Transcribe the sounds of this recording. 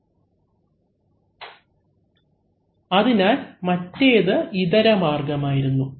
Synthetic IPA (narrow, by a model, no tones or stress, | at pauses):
ɐðinaːlmɐtːe̞ːðɨiðɐɾɐmaːrɡɐmaːjiɾunːu